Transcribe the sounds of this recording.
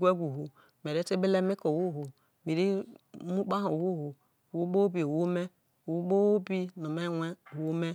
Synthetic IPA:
ɡʷe˦ɡʷu˨ɦu˨ | m˨e˨ɾe˦te˦be˦le˦mi˦ko˨wu˦ɦu˨ | me˨ɾi˦mu˦k͡pa˦ɦo˨wu˦˨ɦu˨ | wu˦ɡ͡bo˦bi˨wo˦me˦˨ | wu˦ɡ͡bo˦wo˦bi˦no˨me˦wʷe˦˨wo˦me˦

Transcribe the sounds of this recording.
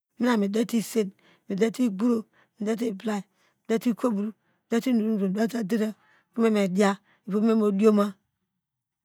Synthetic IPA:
mi˦na˨mi˨de˦ti˦˨se˦n | mi˨de˦ti˦ɡu˦ɾo˨ | mi˨de˦t̬i˦˨bla˦i˨ | mi˨de˦ti˦kʰo˦bu˨ɾu˨ | i˨de˦ti˦nu˨ɾu˦n˨ɾo˨da˦ta˦di˦ɾe˦˨ | ku˦me˦me˨di˦a˦ | i˨po˦me˦mo˨di˦o˦ma˦

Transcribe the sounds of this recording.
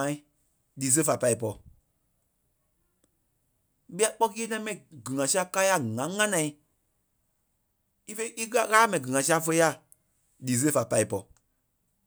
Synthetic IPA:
ã˨˦ĩ˦ | liː˨˦s̬ə˦fa˨pa˧i˨p̬ɔ˧˨ | ɓi˦a˨˦k͡pɔ˦kiː˦nã˧ĩ˦mɛ̃˨ĩ˨ɡɨ˨ŋã˨si˦a˦ka˦ja˦˨ŋã˨˦ŋã˦nã˨ĩ˦ | i˦fe˦ʔi˦ɣa˦ɣaː˦mɛ̃˨ĩ˨ɡɨ˨ŋã˨si˦a˦fə˧˦a˦˨ | liː˨˦s̬ə˦fa˨pa˧i˨pɔ˧˨

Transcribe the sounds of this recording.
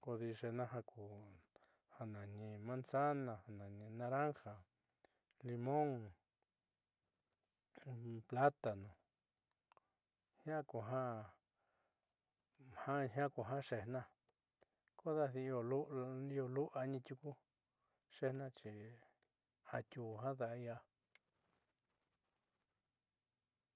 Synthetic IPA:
ko˧ði˧ʂe˧nã˧ɦa˧ku˨ | ha˧nã˨nĩ˧mã˦nsa˦nã˧ha˧nã˨nĩ˧nã˧ɾa˦ŋxa˨ | li˧mõ˦ŋ | pla˦t̪a˨nũ˨ | hjã˦ku˨ɦã˦ | hã˦ɦã˦ku˨ɦã˦ʂe˧nã˦ | ko˦ða˦ði˧o˧˨lu˦i˦˧o˧lu˦ʔa˧ɲĩ˧t̪ʲu˧ku˦ | ʂe˦˧hnã˦˧t͡ʃi˨ | a˧t̪ʲu˧˨ɦã˦ða˧ʔi˧a˧

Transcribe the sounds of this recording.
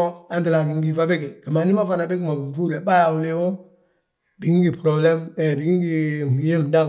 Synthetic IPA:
ɔ˦ã˨ntɨ˨la˨ki˨ŋ˦ɡi˦fa˦be˦ke˨ɡɛ˨mã˨˦nĩ˦mã˦fa˦na˨˦be˦k̬i˦mã˨fu˦ɾɛ˨ɓa˦a˨wu˦le˦wo˦ | di˨ɡĩ˦ɡi˨pɾɔ˨blɛ̃˦mɛ˨di˨ɡĩ˦ŋɡi˦˨mu˨je˦m˨dã˦˨

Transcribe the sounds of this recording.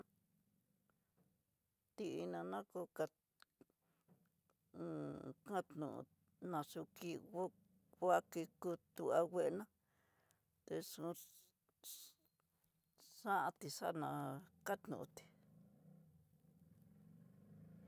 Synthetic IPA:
t̪i˧ʔi˧nã˧nã˦ko˧ka˧ | kã˦t̪nṵ̃˨ʔṵ̃˧ | nã˧ʂu˧ki˧˦ | a˦ki˧ku˦˧t̪u˧a˧we˦ʔnã˦ | t̪e˧ʂu˧˦ | ʂã˦ʔa˧t̪i˨ʂa˦˨nã˧˨ka˦t̪nṵ̃˨ʔũ˧t̪i̥˨

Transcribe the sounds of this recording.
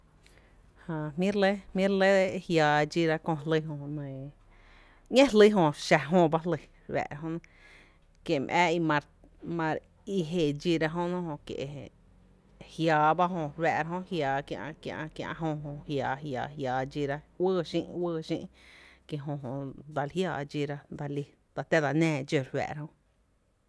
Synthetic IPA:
hã˧˨mĩ˦ɾle˦mĩ˦ɾle˦d̪e˦˧ʔhjaː˨˧d͡ʒi˧ɾa˦kõ˧lɨ˧ɦõ˧nə̃˧˨ | ɲẽ˦lɨ˦ɦõ˧˨ʃa˧ɦõ˧ba˦lə˧ | ɾwɛ̰˧˨ɾa˧ɦõ˧ʔñ˧ | kje˨mʔɛː˦i˧mã˧ɾ | mã˧ɾ | i˧ɦe˧˨d͡ʒi˧ɾa˧ɦõ˦nõ˦hõ˧˨kjḛ˧ʔ | hjaː˧ba˦ɦõ˧ɾwɛ˧˨ʔɾa˧ɦõ˦˧hjaː˨kjã̰˧ʔkjã̰˧ʔkjã̰˧ʔɦõ˧ɦõ˧˨hjaː˨ɦjaː˨ɦjaː˧d͡ʒi˧ɾa˧wəː˦˧ʃĩ˧ʔwəː˦˧ʃḭ̃ː˦ʔke˧˨ɦõ˧ɦõ˧˨d̪a˧lhjaː˧˨d͡ʒi˧ɾa˧d̪a˧li˧ | d̪̥a˧t̪e˦d̪a˧nɛ̃ː˧˨d͡ʒo˧˨ɾwɛ̰˧ʔɾa˦hõ˧

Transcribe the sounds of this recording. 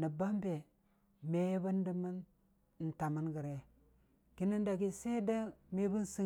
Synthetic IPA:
nə˨ba˦mbe˨ | me˦ba˦ndi˨mə˦n˨ | n̩˨ta˨mə˦nɡi˨ɾe˨ | ki˦ni˦nda˨ɡi˦se˦da˦me˦bu˦n˦si˦

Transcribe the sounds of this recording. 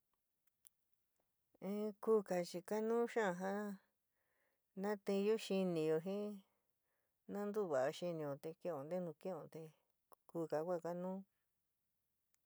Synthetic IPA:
ẽ˦ku˦ka˧˨t͡ʃi˧ka˦nũː˦ʃã˦˧ɦã˦ | nã˦t̪ĩ˧ju˦ʃi˧nĩ˧jo˧ɦĩ˦ | nã˦nd̪u˦˨βa˨˧ʃi˧nĩ˧jõ˧t̪e˧kẽ˦õ˧˨d̪e˦nũ˧kĩ˦õ˧t̪e˧ | ku˧ka˧kʷa˦˨ka˦nũ˦

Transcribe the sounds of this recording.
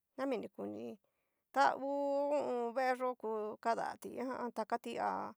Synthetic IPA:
nã˦mĩ˧nĩ˧ku˨nĩ˧ | t̪a˦u˦u˦ʔũ˧βe˦ʔe˦ʐo˦ku˧ka˦ða̰˨t̪ḭ˧˨ã˦hã˦ʔã˧t̪a˧ka˦t̪i˦a̰˧˨

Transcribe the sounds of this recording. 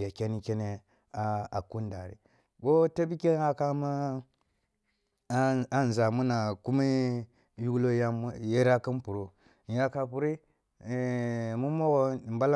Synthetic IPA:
ja˨kʲe˦ni˦kʲe˦ne˦ | a˨a˨ku˦nda̰˨ɾḭ˨ | ko˦ta˦bi˦kʲe˦a˦ka˦ma˦ | a˦n˨za˨mu˦na˨ku˦mi˦ | ju˦ɡlo˦ja˦m˦je˦ɾa˦ki˦npu˨ɾo˨ | ja˦ka˨pu˨ɾi˦˨ | mu˦mo˦ɣo˦˨mba˦la˦

